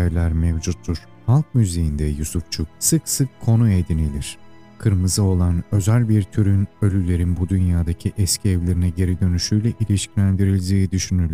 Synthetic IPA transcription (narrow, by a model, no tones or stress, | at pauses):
lʲæɾmɛvd͡ʒut̪ʰːuɾ̥ | halˠk̚myzejind̪ɛjusuft͡ʃʰuk̚sɯksɯkʰːo̞nued̪inilʲiɾ̝̥ | kʰɯɾmɯzɯo̞lˠanø̞zælʲbiɾt̪ʰyɾynø̞lʲylʲe̞ɾinbud̪ynjaːd̪acʰiʔɛscʰiɛvlʲe̞ɾinɛɟe̞ɾid̪ø̞nyʃyjlʲɛʔilʲiʃclʲænd̪iɾilʲd̪iːd̪yʃynyɾlʲ